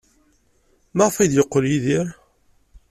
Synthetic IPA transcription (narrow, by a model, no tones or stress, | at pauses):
maʁfæjd̪jəqːəljiðiɾ